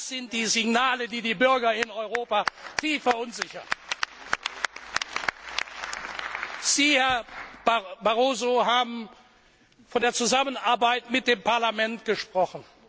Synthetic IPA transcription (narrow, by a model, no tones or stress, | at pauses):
sz̥ɪnt̚d̥iːzɪɡnaːlədiːdiːbʏɐɡɐɪnɔʏʁoːpatʰiːfɛɐʔʊnzɪçɐ̰n | z̥iːhɛɐ | baʁoːzoɦaːbm̩ | fɔndeːɐt͡suzamənaɐbaɪtmɪt̚d̥eːmpaɐlamɛntɡ̥əʃpʁ̥ɔχn̩